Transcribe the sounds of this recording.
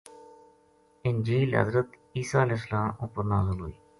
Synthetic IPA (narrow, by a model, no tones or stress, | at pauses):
ɪnd͡ʒiːlɦə̰zɾət̪ | iːsaːəlɛːs̬ːəlaːmʊpːəɾnaːzəlɦo̰ːiː